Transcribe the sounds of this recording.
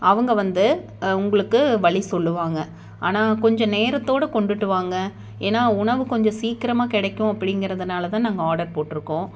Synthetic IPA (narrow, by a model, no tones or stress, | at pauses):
ɐʋɐŋɡɐʋɐnd̪ɯ | ʊŋɡɐɭɯkːɯʋɐɭisɔlːɯʋaːŋɡɐ | aːnaːkɔɲd͡ʒɔ̃neːɾɐt̪ːoːɽɐkɔɳɖɯʈːɯʋaːŋɡɐ | eːnaːʊɳɐʋɯkɔɲd͡ʒɔ̃siːkɪɾɐmaːkɪɽɐkːʊ̃ɐpːɐɽɪŋɡɪɾɐðɐnaːlɐt̪ãːnɐŋɡɐaːɽɐɾpoːʈːɪɾɯkːõː